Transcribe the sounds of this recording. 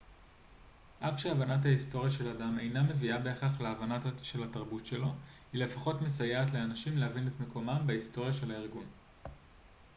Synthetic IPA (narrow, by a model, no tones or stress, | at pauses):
ʔafʃeavanathaisto̞ʁjaʃe̞ladame̞jname̞viabeːχaχleavanaʃe̞lataʁbutʃe̞lo̞hile̞faχo̞tmesajeatle̞anaʃimleɦavinetme̞ko̞mambeisto̞ʁjaʃe̞laiʁɡun